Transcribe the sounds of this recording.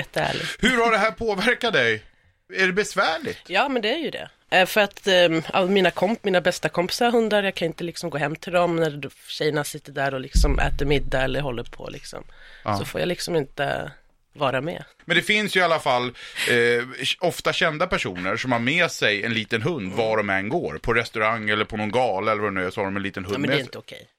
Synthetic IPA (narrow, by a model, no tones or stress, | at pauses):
jɛt̪ːəæ̰ːɭɪ̰ɡhɵɾhaɖɛɦæːɾpʰoːvæɾkat̪̚d̪ɛj | æɖɛbɛsvæːɭɪjɑːmɛnd̪ɛæɾjɵd̪ɛ̰ | ʔfœɾat̪a̰lːamiːnakʰɔmmiːnabɛst̪akʰɔmpɪ̥saɾɦɵnd̪aɾjɑːkʰanɪnt̪əlɪksɔmɡoːɦɛmːt̪ʰɪld̪ɔmnæɾɕɛjːəɳasɪt̪ːəɖæɾɔlɪksɔmʔɛ̰ːt̪əɾmɪd̪ːaɛlːəɾɦɔlːəɾpʰɔ̰lɪ̰ksɔ̰msɔfo̰ːja̰lɪksɔmɪnt̪ə̰ | vɑːɾamɛ̰ː | mɛnd̪ɛfɪnsjɵalːafalː | ɔft̪aɕɛnd̪apʰæʂuːnəɾʂɔmhaɾmeːsɛjɛnliːt̪ənɦɵnd̪vaɖɔmɛnɡoːɾpʰɔɾɛst̪ɵɾaŋːɛlːəɾpʰɔnɔnɡɑːləɛlːəɾvahɵnsɔhaɖɔmɛnliːt̪ənɦɵmnɾɪnt̪əʊkʰɛ̰j